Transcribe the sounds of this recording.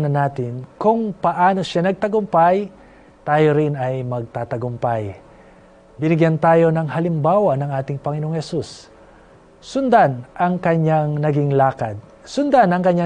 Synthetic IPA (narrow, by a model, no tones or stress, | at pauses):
nɐnaːt̪ɪnkʊŋpɐʔaːno̞ʃanɐɡ̚t̪ɐɡʊmpaj | t̪aːjoɾɪnɐjmɐɡ̚t̪aːt̪ɐɡʊmpaj | bɪnɪɡjant̪aːjo̞nɐŋhɐlɪmbaːwɐnɐŋʔaːt̪ɪŋpɐŋɪnooŋhɛsus | sʊnd̪anʔɐŋkɐɲaŋnɐɡɪŋlaːkɐd̪̚ | sʊnd̪anɐŋkɐɲːa